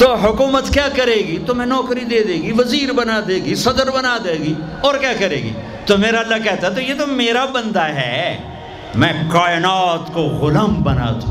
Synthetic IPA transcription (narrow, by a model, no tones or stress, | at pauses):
t̪oːɦʊkuːmət̪kjaːkɐɾeːɡit̪omɛ̃nɔːkɾid̪eːd̪eːɡiʋɐziːɾbɐnad̪eːɡisɐd̪əɾbɐnaːd̪eːɡi | ɔːɾkjaːkɐɾeːɡḭ | t̪omeːɾaɐlːakɛɦt̪aɦɛt̪̬ojet̪omeːɾabɐ̃nd̪aɦɛ̰ː | mɛ̃kaːɪnaːt̪koɣʊləmbɐna̰ːt̪ʰũː